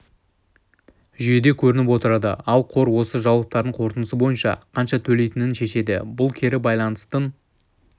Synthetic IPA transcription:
ʒʏje̞d̪e̞kʲʰɵɾɪnɪp̬wo̞t̪əɾɑd̪ə̰ɑlˠqʰo̞ɾwo̞səʒɑwɑp̚t̪ɑɾd̪əɴqʰo̞ɾt̪ənəsəbo̞jənʃɑ̰qʰɑnʃɑt̪ʰɵle̞jt̪ɪnɪnʃe̞ʃe̞d̪ɪ̰bʊlˠkʲʰe̞ɾɪbɑjlˠɑnəst̪ən

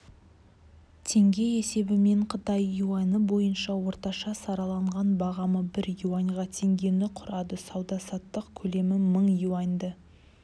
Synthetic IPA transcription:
t̪ʰe̞ŋɡʲe̞je̞se̞bɪme̞ɴqʰət̪ɑjːuɑnəbo̞jənʃɑwo̞ɾt̪ɑʃɑsɑɾɑlˠɑɴʁɑnbɑʁɑməbɪɾjuwɑŋʁɑt̪ʰe̞ŋɡʲe̞nɪqʰʊɾɑd̪əsɑwd̪ɑsɑt̪ːəqkʲʰɵle̞mɪməɴjuɑnd̪ə

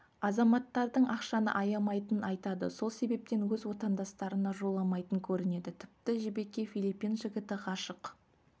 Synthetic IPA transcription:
ɑzɑmɑt̪ːɑɾd̪əɴʔɑqʃɑnə̰ʔɑjɑmɑjt̪ənɑjt̪ɑd̪ə̰so̞lˠse̞be̞p̚t̪e̞nwɵzwo̞t̪ɑnd̪ɑst̪ɑɾənɑʒo̞lˠɑmɑjt̪əŋkʲʰɵɾɪne̞d̪ɪt̪ʰɪp̚t̪ɪʒebe̞kʲːe̞filˠipːijnʒɪɡʲɪt̪ɪqʰɑʃəq

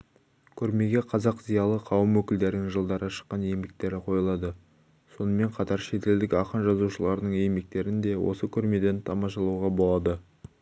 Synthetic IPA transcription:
kʲʰɵɾme̞ɡʲe̞qʰɑzɑqzijɑlˠəqʰɑwəmwɵkʲɪld̪e̞ɾɪnɪŋʒəlˠd̪ɑɾəʃə̥qːɑne̞jmɡʲek̚t̪e̞ɾɪqʰo̞jəlˠɑd̪ə | so̞nəme̞ɴqʰɑt̪ɑɾʃe̞t̪e̞ld̪ɪkʲɑqənʒɑzuʃəlˠɑɾənəɴe̞jmek̚t̪e̞ɾɪnd̪e̞wo̞̰səkʲʰɵɾme̞d̪e̞nt̪ʰɑmɑʃ̬ɑlˠuwʁɑbo̞lˠɑd̪ə

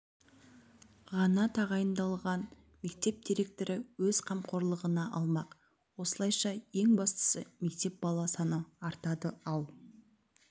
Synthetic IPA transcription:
ʁɑnɑt̪ʰɑʁɑjənd̪ɑlˠʁɑn | me̞k̚t̪e̞p̚d̪iɾe̞k̚t̪oɾɪwɵz̥qʰɑmqʰo̞ɾlˠəʁənɑʔɑlˠmɑq | wo̞səlˠɑjʃɑje̞ŋbɑst̪ə̥səme̞k̚t̪e̞p̚bɑlˠɑsɑnəɑɾt̪ɑd̪əɑlˠ

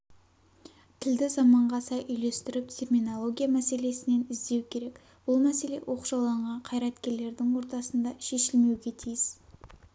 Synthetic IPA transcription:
t̪ʰɪld̪ɪzɑmɑɴʁɑsɑjʔʏjle̞st̪ɪɾɪp̚t̪ʲʰe̞rmʲinolˠo̞ɡʲijamæse̞le̞sɪne̞nɪzd̪e̞wkʲʰe̞ɾe̞k | b̥ʊlˠmæse̞le̞̰wʔo̞qʒɑwlˠɑɴʁɑɴqʰɑjɾɑt̪kʲe̞ɾle̞ɾd̪ɪŋwo̞ɾt̪ɑsənd̪ɑʃe̞ʃɪlme̞wɡʲe̞t̪ʰijɪs

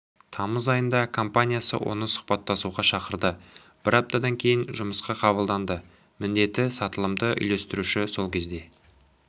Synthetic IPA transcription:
t̪ʰɑməzɑjənd̪ɑkʰo̞mpanʲijasə̰wʔo̞̰nəsʊ̥χpɑt̪ːɑsuʁɑʃɑqəɾd̪ə | b̥ɪɾɑp̚t̪ɑd̪ɑŋkʲʰe̞jɪnʒʊməsqɑqʰɑβəlˠd̪ɑnd̪ə | mɪnd̪e̞t̪ːɪsɑt̪əlˠəmd̪əʔʏ̰jle̞st̪ɪɾuʃɪso̞lˠkʲʰe̞zd̪e̞

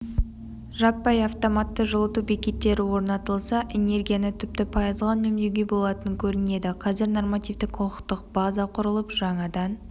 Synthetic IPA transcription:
ʒɑpːɑjɑft̪o̞mat̪ːəʒəlˠət̪ubekʲe̞t̪ːe̞ɾɪwo̞ɾnɑt̪əlˠsɑʔe̞ne̞rɡʲijanət̪ʰʏp̚t̪ɪpʰɑjɑzʁɑnmɵmneɡʲebo̞lˠɑt̪əŋkʲʰɵɾɪne̞d̪ɪqʰɑzɪɾno̞rmat̪ijvt̪ɪkqʰoqəqt̪əq̚b̥ɑzɑqʰʊɾəlˠəpʒɑɴɑd̪ɑn

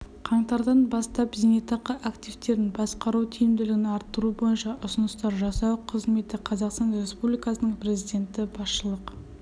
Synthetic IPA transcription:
qʰɑɴt̪ɑɾd̪ɑnbɑst̪ɑpzenet̪ɑqːəʔakt̪ʲivt̪e̞ɾɪnbɑsqɑɾuwt̪ʲʰijɪmd̪ɪlɪɡʲɪnɑɾt̪ːəɾubo̞jənʃɑʔʊsʊnəst̪ɑɾʒɑsɑwqʰəzme̞t̪ɪqʰɑzɑqst̪ɑnre̞spublijkɑsənəɴpʰɾe̞zijd̪ʲe̞nt̪ɪbɑsʃəlˠəq

